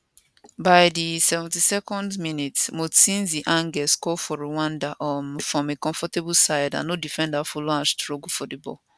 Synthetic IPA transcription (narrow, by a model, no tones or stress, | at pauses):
baɪdisɛvɛ̃ntisɛkɔ̃ndmĩnitmosĩnziʔãŋɡɛskɔfɔɹuwãndaʔɔmfɹɔ̃mekɔ̃ɱfɔtebusaɪdã̰nodifɛ̃ndafulɔ̃ãnstɹɔɡfɔdibɔ̰